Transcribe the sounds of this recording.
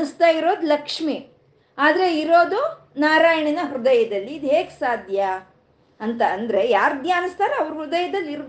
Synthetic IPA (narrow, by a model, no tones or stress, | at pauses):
st̪aːjiɾo̞ːd̪ulɐkʂmi | aːd̪ɐɾe̞iɾo̞ːd̪u | naːɾaːjɐɳinɐɦɾud̪ɐjɐd̪ɐlːiːd̪uɦeːɡsaːd̪ʱjɐ | ɐnt̪ɐːnd̪ɐɾe̞jaːɾd̪jaːnist̪aːɾeɐʋɐɾuɦɾud̪ɐjɐd̪ɐlːiɾ